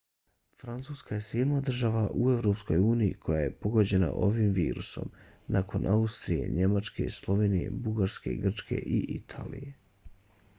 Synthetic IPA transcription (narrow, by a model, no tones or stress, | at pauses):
fɾant̪suːskajesjeːd̪nad̪r̩ʒaʋaʔue̞vɾo̞psko̞juːnijikʰo̞jaje̞po̞ɡod͡ʑe̞na̰ʔo̞ʋimʋiːɾuso̞̰m | nako̞nʔaust̪ɾije̞̰ɲe̞mat͡ʃke̞̰slˠo̞ʋe̞ːnije̞̰buɡaɾske̞̰ɡr̩t͡ʃkʰe̞̰ʔiʔit̪ʰa̰ːlḭje